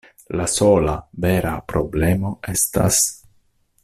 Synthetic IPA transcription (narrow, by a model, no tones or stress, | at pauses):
lasolaveɾapɾoblemoesta̰s